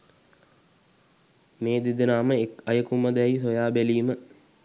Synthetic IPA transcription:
meːd̪id̪ənaːməekɐjəkumɐd̪ɛisojaːbeliːmə

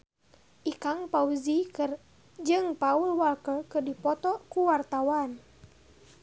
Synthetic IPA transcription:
ʔikaŋpauzikɨr | d͡ʒɨŋpaulwalkəkɨrdipɔt̪ɔkuwart̪awan

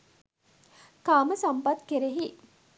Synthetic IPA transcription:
kaːməsampat̪keɾeɦi

